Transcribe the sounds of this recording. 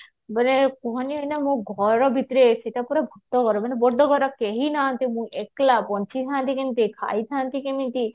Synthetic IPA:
banekɔɦɔniɦɔjnamũɡʱɔɾɔbʱit̪ɾeseʈapuɾabʱɔk̚t̪ɔkɔɾɔbanebɔɾd̪ʱɔɡʱɔɾɔkeɦinãnt̪imũʔeklapɔnt͡ʃit̪ʰant̪ikemĩt̪ikʰa̰jt̪ʰant̪ikemĩt̪i

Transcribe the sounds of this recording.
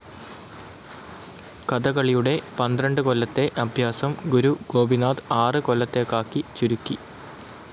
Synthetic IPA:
kɐd̪ɐɣɐɭijuɽe̞pɐnd̪rɐɳɖɨkolːɐt̪ːe̞ʔɐbʱjaːsɐmɡuɾuɡo̞ːbʱinaːd̪ɨaːrɨkolːɐt̪ːe̞kːaːkːit͡ɕuɾukːi

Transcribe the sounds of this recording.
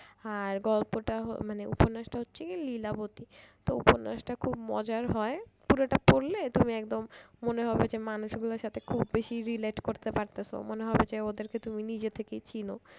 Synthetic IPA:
aɾɡɔlpoʈaɦo̰maneṵpoɾnaʃʈaɦotːɕʰelilabot̪it̪oṵpoɾna̰ʃʈakʰubmɔ̰d͡ʑaɾɦɔepuɾoʈapoɾlet̪umiɛk̚d̪omːoneɦɔbed͡ʑemanuʃɡulaɾʃat̪ʰekʰubːeʃiɾileʈkoɾt̪epaɾt̪asʰo̰moneɦɔbed͡ʑeod̪eɾket̪uminid͡ʑet̪ʰekejt͡ɕino

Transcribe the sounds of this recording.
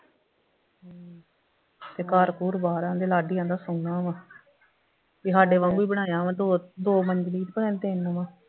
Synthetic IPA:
ɦː | t̪eːkaːɾkuːɾbaːɾãːd̪eːlaːɖiːãːd̪aːsʊŋãːʋãː | ʋiːɦaːɖeːʋãːŋɡuiːbəɽ̃aːjãːʋãːd̪oːd̪oːməɲd͡ʒliːt̪bəɽaːt̪enʋãː

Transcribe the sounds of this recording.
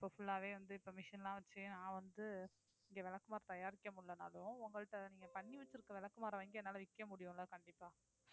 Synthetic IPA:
ɪɪpːoːfʊɭːaːʋeːʋɐnd̪ɯɪpːoːmɪʂɐnlãːʋɐt͡ʃːɯnãːʋɐnd̪ɯ | ɪŋɡeʋɛlɐkːɯmaːɾɐt̪ɐjaːɾɪkːɐmʊɭːɐna̰ːlʊ̃ʊŋɡɐɭɯʈːɐniːŋɡɐpɐɳːiʋɐt͡ʃːɪɾɯkːɐʋɛlɐkːɯmaːɾɐʋɐŋɡɪɛnːaːlɐʋɪkːɐmʊɽɪjʊ̃lɐkɐɳɖɪpːaː

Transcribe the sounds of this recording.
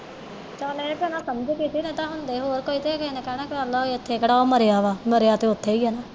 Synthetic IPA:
t͡ʃəːlẽːpɛnãːsəməd͡ʒkɪsiːnẽːt̪ãːɦʊnd̪eːɦoːɾkoːiːt̪eːkɛiːnɛ̃ːkɛːnãːkɪəlːɔːɪt̪ʰːeːkəɽaːoːməɾeaːʋaːməɾeaːt̪eːʊt̪ʰːeːiːɦɛːnaː

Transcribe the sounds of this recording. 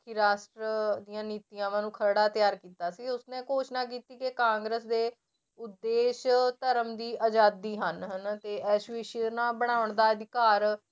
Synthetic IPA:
kɪɾaːsʈɾəd̪ijãːniːt̪ijãːʋãːnũːkʰəɾɽaːt̪ɪjaːɾkiːt̪aːsiːʊsnẽːkoːʃnaːk̬iːt̪iːkɪkãːŋɡɾəsd̪eː | ʊd̪ːeːʃt̪əɾəmd̪iːʔad͡ʒaːd̪iːɦənɦənt̪eːʔɛːʃʋiʃɪnãːbəɽ̃aːʊɳd̪aːəd̪ɪkaːɾ

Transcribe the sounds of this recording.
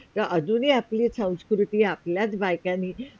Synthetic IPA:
t̪əʔəd͡zuniːapliːsə̃w̃nskɾut̪iːapljat͡sbajkãniː

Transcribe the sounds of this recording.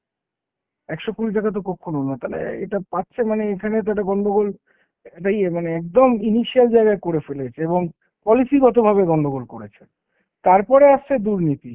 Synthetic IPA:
ɛkʃokuɾiʈ̬akat̪̬okɔkʰːononat̪alḛḛʈapatːɕʰemaneekʰanet̪̬aʈ̬aɡɔnd̪oɡol | ʈajemaneɛk̚d̪ominiʃiald͡ʑaeɡaekoɾefelet͡ɕʰeeboŋ | pɔlisiɡɔt̪obʱaβeɡɔnd̪ʱoɡolkoɾet͡ɕʰen | t̪aɾpɔɾeaʃt͡ɕʰed̪uɾnit̪i

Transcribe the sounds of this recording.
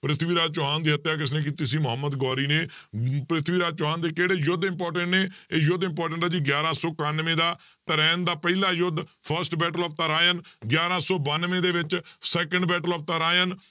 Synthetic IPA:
pɾɪt̪ʰʋiːɾaːd͡ʒ̪̚t͡ʃʊɦãːnd̪iːɦət̪jaːk̬ɪs̬nẽːk̬it̪isĩːmʊɦəmːəd̪ɡɔːɾiːneː | pɾɪt̪ʰʋiːɾaːd͡ʒ̪̚t͡ʃʊɦãːnd̪eːkeːɽeːjʊd̪ɪ̃mpɔːɾʈəɳʈneːeːjʊd̪ɪmpɔːɾʈ̬əɳʈːd͡ʒiɡjaːɾãːsɔːkanʋẽːd̪aː | t̪əɾɛːnd̪aːpəilaːjʊd̪pʰəɾsʈbɛːʈəlɔːp̚t̪aɾaːjənɡjaːɾãːsɔːbanʋẽːd̪eːʋɪt͡ʃsɛːkəɳɖbɛːʈəlɔːf̚t̪aɾaːjən

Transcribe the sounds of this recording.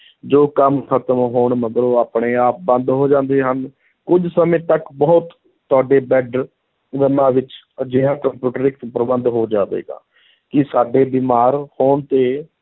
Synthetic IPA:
d͡ʒoːkəmkʰət̪əmɦoːɳməɡəɾoːaːpɳeːaːp̚bə̃nd̪ɦoːd͡ʒãːnd̪eːɦən | kʊd͡ʒsəmẽːt̪əkbɔːt̪ | t̪ːʊaːɖeːbɛːɖɾ | ɡənãːʋɪt͡ʃ | d͡ʒɪɦãːkəmpjuːʈəɾɪk̪pɾəbənd̪ɦoːd͡ʒaːʋḛːɡã̰ː | kɪsaːɖeːbɪːmaːɾhoːɳt̪eː

